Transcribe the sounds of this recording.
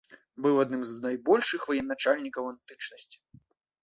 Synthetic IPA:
bɨwad̪nɨmznajbɔlʲʂɨxvɐjɛnːat͡ʂalʲnʲikɐwant̪ɨt͡ʂnɐsʲt͡sʲi̥

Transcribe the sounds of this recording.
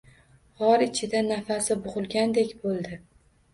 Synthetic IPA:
hɒɾɪt͡ʃʰɪd̪anafasɪbʊʁɨlˠɡʲand̪e̞kʲbolˠd̪ɪ

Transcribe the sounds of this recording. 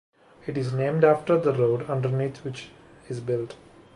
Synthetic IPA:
ɪʈɪznẽːmɖæfʈəɾd̪əɾoːɖʌ̃ɳɖəɾniːt̪ʰʋɪt͡ʃ | ɪzbɪlʈ

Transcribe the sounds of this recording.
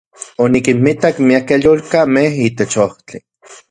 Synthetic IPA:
onikinmit̪akmiakejolkamehit̪et͡ʃoht͡ɬi

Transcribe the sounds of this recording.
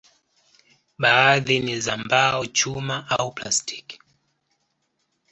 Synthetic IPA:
ɓaːðinizambaɔt͡ʃumaʔaupla̰sti̥k

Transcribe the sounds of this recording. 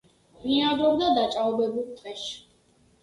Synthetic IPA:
miad̪ɾɔbd̪ad̪at͡ʃʼaɔbɛbulˠt̪ʼɛʃi̥

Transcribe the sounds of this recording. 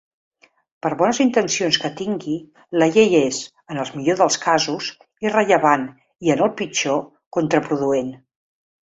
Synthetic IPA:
pəɾβɔnəzint̪ənsionskət̪iŋɡi | ləʎejez | ənəlˠzmiʎoðəlˠskazuz | irəʎəβ̞an | iənəlˠpit͡ʃo | kont̪ɾəpɾuðuen

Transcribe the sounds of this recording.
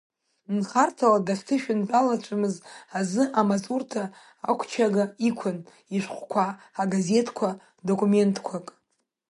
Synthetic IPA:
nχartʰaladaftʰɨʃᶣɪnbʼalat͡ʃʷʰʼamɨzazɨʔamasʼurtʰa̰ː | kʷʰt͡ʃʰaɡaikʷʰʊn | iʂʷχʷkʷʰaː | ɡaze̞tʰkʷʰa | do̞kʷʼume̞ntʰʼkʷʰakʼ

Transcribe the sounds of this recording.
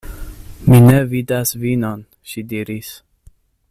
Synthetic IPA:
minɛvid̪asviːnan | ʃid̪iɾis

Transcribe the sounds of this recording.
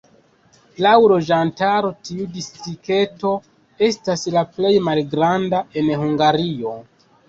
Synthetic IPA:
lawlo̞d͡ʒantaɾo̞tiudistike̞to̞ | e̞staslaple̞jmalɡɾandae̞nhuŋɡaɾio̞

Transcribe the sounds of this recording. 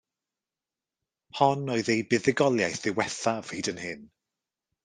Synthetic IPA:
hɔnːɔɨðebɪðɪɡɔlˠjajθɪwɛθav̥iːdənhɪn

